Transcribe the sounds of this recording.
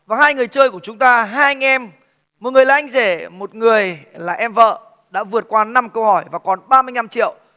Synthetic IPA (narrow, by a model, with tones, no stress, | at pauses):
vaː˨˩ɦaː˧jŋɨ˨˩əjt͡ɕəː˧jku˧˩ət͡ɕʊ˨˦ŋ͡mt̪aː˧ɦaː˧ʔa˧ŋ̟ʔɛ˧m | m̚˨˩ŋɨ˨˩əjlaː˨˩ʔjŋ̟ze˧˩mo˨˩t̚ŋɨ˨˩əjlaː˨˩ʔɛ˧mvə̰ː˧˨ | ɗa̰ː˧˥vɨ˨˩ə˩t̚kwaː˧na˧mkə˧whɔ˧˩jvaː˨˩kɔ˨˩nɓaː˧mɨ˧əjna˧mt͡ɕḭ˧˨əw